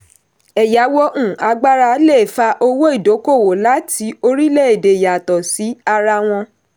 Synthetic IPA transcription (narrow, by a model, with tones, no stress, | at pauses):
ɛ˨ja˨˦wo˦ʔũ˦˨a˧ɡ͡ba˦ɾa˧le˦˨fa˧ʔo˧wo˦i˦˨do˨˦ko˦˨wo˨la˨˦ti˨˦o˧ɾi˦le˦˨e˨de˨ja˨tɔ˨si˨˦a˧ɾa˧w̃ɔ̃˧